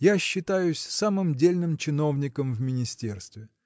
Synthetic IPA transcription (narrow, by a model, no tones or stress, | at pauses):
jaɕːɪt̪ajʊsʲsamɨmdʲelʲnɨmt͡ɕɪno̞vnʲɪkəmvmʲɪnʲɪsʲtʲe̞rst̪vʲɪ